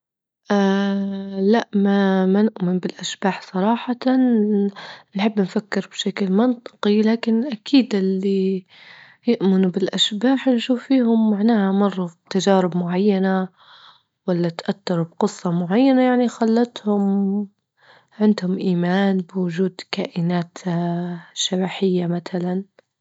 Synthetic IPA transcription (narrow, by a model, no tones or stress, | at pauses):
ʔa | laʔmamanɪʔmɪnbɪlʔaʃbaːħsˤɑɾˤɑːħɑt̪ | nħɪbːnfakːɪɾbʃaklmɪnt̪ˤɨ̥qilaːkɪnʔakʰiːd̪ɪlːi | jʊʔmɪnubɪlʔaʃbaːħnʃuːfːiːhʊmːaʕnaːhamɑrˤːɑ̥t̪ad͡ʒaːɾɪbmʊʕajːana | walːat̪ʔat̪ːɑɾˤbqɨsˤːɑmʊʕajːanajaʕnixalːɑt̪hʊm | ʕɪnd̪hʊmʔiːmaːnbwʊd͡ʒuːd̪kaːʔɪnaːt̪ | ʃːabaːħɪjːamat̪alan